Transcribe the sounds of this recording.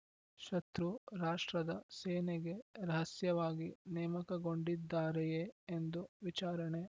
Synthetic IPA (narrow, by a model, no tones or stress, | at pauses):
ʃɐt̪ɾuɾaːʂʈɾɐd̪ɐseːneɡe̞ɾɐɦɐsjɐʋaːɡinɛːmɐkɐɡo̞ɳɖid̪ːaːɾejeːnd̪uʋit͡ʃaːɾɐɳe